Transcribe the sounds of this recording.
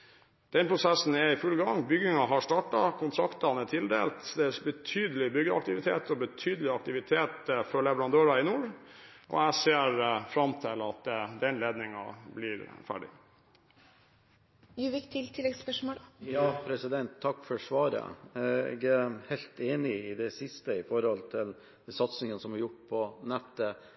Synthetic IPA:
d̪̥ɛnpʰɾʊsæsn̩ɛɾɪfʉlːɡɑŋbʏɡɪŋɑɦɑʂʈ̪ɑʈɑkʰʊnt̪ʰɾɑkt̪ɑnɛt̪ʰɪld̪ḛːlt̪d̪ɛsbət̪ʰyːd̪əlɪbʏɡəɑ̰k̚t̪ɪʋɪt̪ʰeːt̪ɔbət̪ʰyːd̪əlɪɑk̚t̪ɪʋɪt̪ʰeːt̪fɔɭɛʋəɾɑnd̪øːɾɑɪnuːɾ | ʔɔ̰æseːɾfɾɑmt̪ʰɪlɑt̪̚d̪ɛd̪ɛnleːd̪nɪŋɑ̰blɪɾfæ̰ːɖɪ̰ | jʉʋɪkt̪ʰɪlt̪ʰɪlɛɡspœʂmoːljɑːpʰɾɛsɪd̪ɛnt̪ʰːɑkːfɔɾʂʋɑːɾə̰jæɡəhɛɪlt̪eːnɪɪd̪ɛsɪst̪əɪfɔɾhɔlt̪ʰɪl | sɑt̪snɪŋənsɔmɑjʊʈpʰɔnɛt̪ːə

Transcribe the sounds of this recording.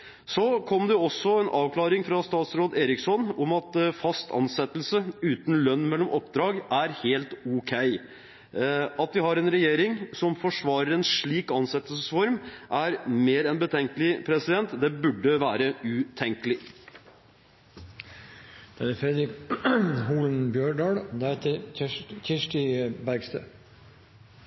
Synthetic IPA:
sɔkʰɔmd̪ɛɔsːɔɛnʔɑːʋkʰlɑːɾɪŋfɾɑst̪ɑːt̪sɾoːd̪eːɾɪksɔnɔmɑt̪fɑst̪ʰɑ̰nsɛt̪ːəlsəʉːt̪n̩lœnːmɛlːɔmʔɔpd̪ɾɑːɡæɾheːlt̪ʊkʰæɪ | ɑt̪̚d̪ɪhɑɾɛnɾɛjeːɾɪŋsɔmfɔʂʋɑːɾəɾɛnʂɭiːkɑnsɛt̪ːəlsəsfɔɾmʔæɾmeːɾɛnbət̪ʰɛŋkəlɪpʰɾɛsɪd̪ɛnt̪d̪ɛbʉɖːəʋæːɾəʉt̪ʰɛŋkəlɪ | d̪̥ɛæfɾɛd̪ɾɪk | ɦuːlənbjøːɖɑːɽd̪ɛɾheːt̪əçɪʂʈɪbæɾɡst̪ʰø

